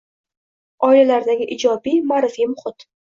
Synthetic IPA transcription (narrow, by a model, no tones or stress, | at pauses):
ɒɪlalaɾd̪aɡʲɪʔɪd͡ʒɒbijmaɾɪfimʊχɪt̪